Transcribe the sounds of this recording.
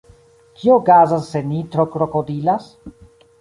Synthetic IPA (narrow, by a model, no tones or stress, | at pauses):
kʰioɡazasːe̞nit̪ɾokɾokodilas